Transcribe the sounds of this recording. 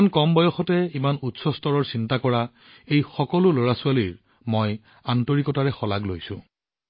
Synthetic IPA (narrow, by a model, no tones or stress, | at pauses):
nkɔmbɔjɔxɔtɛimanutsɔstɔɹɔɹsintakɔɹa | ejxɔkɔlʊloɹasʊaliɹ | moj | antɔɹikɔtaɹɛxɔlaɡlojsʊ̃